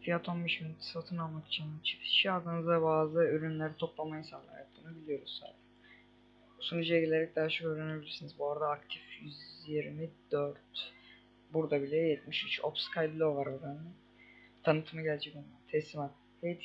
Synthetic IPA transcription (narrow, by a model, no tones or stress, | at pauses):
fijat̪ʰo̞nbeʃminyt̪ʰsat̪ʰɯnalˠmaki̥t͡ʃʰint͡ʃʰi̥pʰi̥ʃiad̪ɯnɯzd̪abaːzˠɯyɾynlʲæɾit̪ʰo̞plˠamajainsallˠa̰jap̚t̪ʰɯnɯbilʲijo̞ɾuz̥sa̰jd̪a | busunud͡ʒijaɟilʲe̞ɾɛc̚d̪aːat͡ʃʰokøːɾene̞bilʲiɾsinizbuaɾad̪aːk̚t̪ʰifjyzjiɾmid̪øɾt̪ | buɾd̪abilʲɛjɛt̪̚miʃyt͡ʃʰopskʰajb̪lʲˠovaɾod̪anɛ | t̪ʰanɯt̪ʰɯmaɟælʲt͡ʃʰɛkonat̪ʰɛsimat̪ | hejt̪ʰ